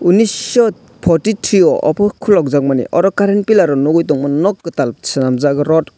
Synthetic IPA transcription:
unisɔ | pʰɔtitʰɾiɔʔɔ̰pʰɯkʰulɔk̚zak̚manḭʔɔɾɔkaɾenpilaɾɔnɔɡɔjtɔŋmɔnɔk̚ɡɯtalsɯnamzaɡɯɾɔt

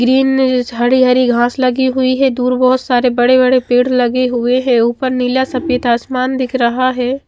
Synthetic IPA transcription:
ɡɾiːnɦɐɽiɦɐɾiɡʱãːslɐɡiɦʊiɦɛ̃d̪uːɾbɔɦʊt̪saːɾebɐɽebɐɽepeːɽlɐɡeɦʊeɦɛ̃uːpəɾnɪljasɐpət̪aːsmaːnd̪ɪkʰɾɐɦaɦɛː

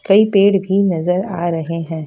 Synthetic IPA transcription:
kɐipeːɽbʱinɐzəɾa̰ːɾɐɦeɦɛ̃ː

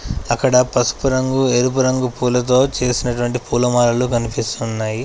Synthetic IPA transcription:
ɐkːɐɽɐpɐsu̥puɾɐŋɡueɾup̬uɾɐŋɡupuːlɐt̪̬o̞ːt͡ʃe̞ːsinɐʈuʋɐɳʈipuːlɐmaːlɐlukɐnipist̪unːaːji

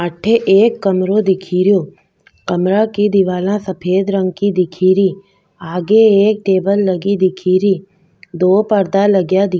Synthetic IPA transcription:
əʈʰːeʔeːkːəmɾõd̪ɪkʰiːɾjoː | kɐmɾakid̪ɪʋaːlãsɐpʰeːd̪ɾə̃ŋɡkid̪ɪkʰiːɾi | aːɡeeːk̚ʈeːbəlːəɡid̪ɪkʰiːɾiː | d̪oːpəɾd̪alɐɡjad̪ɪ

